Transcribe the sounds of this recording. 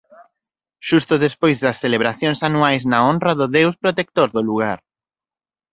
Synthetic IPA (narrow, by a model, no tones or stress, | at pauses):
ʃust̪ʊðespojzðɐsθeleβ̞ɾaθjoŋsanuajznaonrɐðʊðewspɾot̪ek̚t̪oɾðʊluɣ̞aɾ